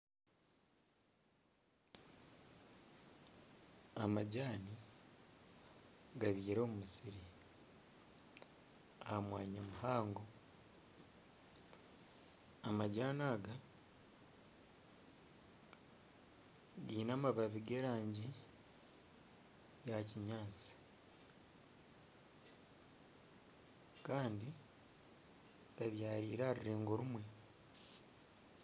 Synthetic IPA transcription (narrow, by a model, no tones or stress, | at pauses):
amaɟaːni | ɡaβiːɾo̞ːmumusiɾi | ahamwaːɲamuhaːŋɡo̞ | maɟaːnaːɡa | ɡiːnamaβaβiɡeːɾaːɲɟi | jaciɲaːt͡si̥ | kaːndi | ɡaβjaːɾiːɾaɾiɾeːŋɡoɾumwe